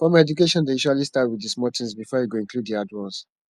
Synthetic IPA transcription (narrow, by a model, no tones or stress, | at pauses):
fɹɔ̃mɛd͡ʒukeʃɔ̃ndejiʃalistatwidismɔtʰĩŋsbifɔjeɡoĩŋkʰludiadwãns